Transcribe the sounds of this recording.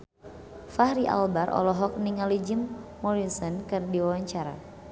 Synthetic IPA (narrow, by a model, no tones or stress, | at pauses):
fahɾiʔa̰lbaɾʔɔ̰lɔɦɔk̚niŋalid͡ʒimː | ɔɾisɔnkɨrdiwawaɲt͡ʃaɾa̰